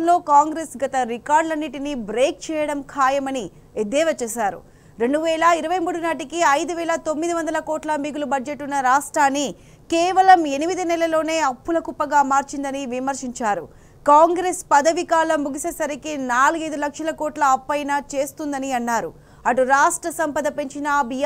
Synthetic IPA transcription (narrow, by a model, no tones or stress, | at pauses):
ɐnlo̞ːkaːŋɡɾeːsɡɐt̪ɐɾikaːɾɖlɐnːiʈinibɾeːk̚t͡ʃɛːjɐɽɐmkʰaːjɐmɐni | ed̪ɛːʋɐt͡ʃɛːsaːɾṵ | ɾe̞ɳɖuʋɛːlɐiɾɐʋɐjmuːɽunaːʈikiɐjd̪uʋɛːlɐt̪o̞mːid̪iʋɐnd̪ɐlɐkoːʈlɐmiɡulubɐd͡ʒeʈːunːɐɾaːʂʈɾaːnːi | kɛːʋɐlɐme̞nimid̪inɛlɐlo̞ːne̞ːɐpːulɐkupːɐɡaːmaːɾt͡ʃind̪ɐniʋimɐɾʂiɲt͡ʃaːɾṵ | kaːŋɡɾespɐd̪ɐʋikaːlɐmːuɡisesɐɾikinaːluɡɐjd̪ulɐkʂɐlɐkoːʈlɐːpːɐjnat͡ʃe̞ːst̪und̪ɐniɐnːaːɾṵ | ɐʈuɾaːʂʈɾɐsɐmpɐd̪ɐpe̞ɲt͡ʃinɐbʱi